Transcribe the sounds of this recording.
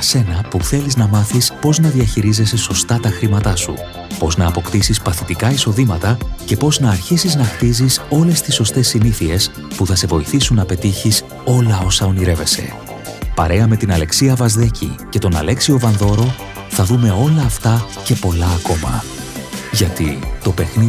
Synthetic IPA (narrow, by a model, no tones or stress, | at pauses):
ɐse̞nɐpuθe̞liznɐmɐθispo̞znɐðiɐçiɾize̞se̞so̞st̪ɐt̪ɐxɾimɐt̪ɐsṵ | po̞znɐːpo̞kt̪isispɐθit̪ikɐiso̞ðimɐt̪ɐce̞po̞znɐːɾçisiznɐxt̪iziso̞le̞st̪isːo̞st̪e̞sːiniθie̞s | puθɐse̞vo̞iθisunːɐpe̞t̪içis | o̞lɐo̞sɐo̞niɾe̞ve̞se̞̰ | pɐ̰ɾe̞ɐme̞t̪inɐle̞ksiɐvɐzðe̞cḭce̞t̪o̞nɐ̰le̞ksio̞vɐnðo̞ɾo̞ | θɐðume̞o̞lɐːft̪ɐ | ce̞po̞lɐːko̞mɐ̰ | ʝɐt̪it̪o̞pe̞xni